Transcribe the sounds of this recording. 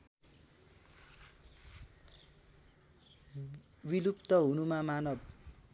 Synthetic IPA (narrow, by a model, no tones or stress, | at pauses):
wilupt̪ʌɦunumamanʌb